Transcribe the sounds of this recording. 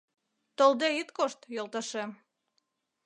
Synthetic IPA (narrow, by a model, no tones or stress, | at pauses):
t̪old̪eit̪koʃt̪jolˠt̪ɑʃem